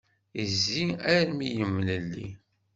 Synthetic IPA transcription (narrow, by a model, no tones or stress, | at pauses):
əzːiæɾmijəmːləlːḭ